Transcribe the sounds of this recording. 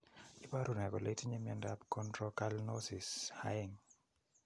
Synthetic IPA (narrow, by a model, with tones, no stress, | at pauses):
i˦pa˦ɾu˨nɛ˨ɡɔ˨le˦ti˦ɲe˦mɛ˨ndapkɔ˦ndɾɔka˦lnɔsi˨shaɪŋ